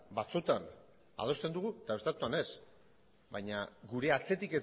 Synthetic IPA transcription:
bat͡sut̪an | a̰ð̞o̞st̪e̞nd̪uɣ̞uet̪aβe̞st̪at̪uane̞s | bajɲaɡuɾe̞at͡se̞t̪ike̞

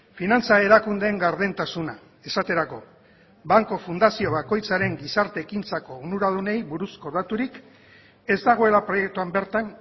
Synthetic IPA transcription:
finant͡sae̞ɾakund̪eːŋɡaɾð̞ent̪asuna | e̞sat̪e̞ɾako̞ | baŋko̞fund̪asio̞βako̞jt͡saɾe̞ŋɡisaɾt̪e̞ːkint͡sako̞unuɾað̞une̞jβuɾusko̞ðat̪uɾik | e̞zd̪aɣ̞o̞e̞lapɾo̞je̞k̚t̪uambe̞ɾt̪an

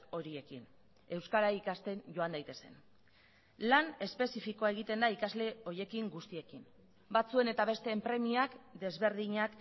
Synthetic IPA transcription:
o̞ɾie̞kin | e̞wskaɾaikast̪e̞nʝo̞and̪ajt̪e̞se̞̰n | lane̞spe̞sifikoae̞ɣ̞it̪e̞nd̪aikazle̞o̞je̞kiŋɡust̪ie̞kin | bat͡sue̞ne̞t̪aβe̞st̪e̞ːmpɾe̞miakd̪e̞zβe̞ɾðiɲak

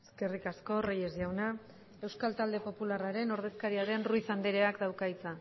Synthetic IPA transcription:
eske̞rikasko̞reje̞zjawna | e̞wskalt̪ald̪e̞po̞pularaɾe̞no̞ɾð̞e̞skaɾiaɾe̞nruisand̪eɾe̞akd̪awkait͡sa

